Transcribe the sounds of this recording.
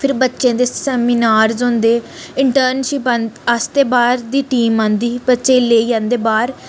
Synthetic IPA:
pʰɪɾbətːʃẽːd̪eːsɛːmiːnaːɾzõːnd̪eː | ɪɳʈəːɾnʃɪpanəst̪eːbaːɾd̪iːʈiːmãːnd̪iːbətːʃẽːleːiːjãːnd̪eːbaːɾ

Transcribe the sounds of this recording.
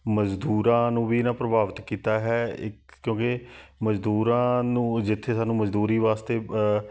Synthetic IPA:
məd͡ʒd̪uːɾãːnũːbiːɪnãːpɾəbaːʋt̪kiːt̪aːɦɛːɪkjõːkeməd͡ʒd̪uːɾãːnũːd͡ʒɪt̪ʰːeːsaːnũːməd͡ʒd̪uːɾiːʋaːst̪eː

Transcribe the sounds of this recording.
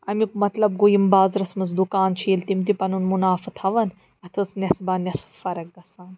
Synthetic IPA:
ɐmikumɐt̪lɐbɡojimbaːzɾɐsmɐs̬d̪ukaːnt͡ʃʰiːlt̪imt̪ipɐnunmunaːfɨt̪ʰɐʋɐn | ɐt̪ʰɨsnʲɐsbaːnʲɐsfɐɾɐk̚ɡɐsaːn

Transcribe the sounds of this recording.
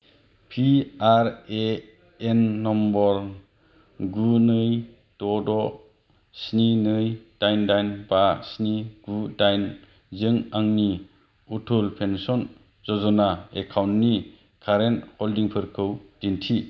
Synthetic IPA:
pʰiaɾe | enːɔmbɔɾ | ɡunɯj | d̥ɔdɔ | sninɯjd̥ajndajnbasniɡudajn | zɯŋaŋni | utʰulpʰensɔn | zɔzɔnaekʰawntːni | kʰaɾentholdiŋpʰɯɾkʰɯwd̥intʰi

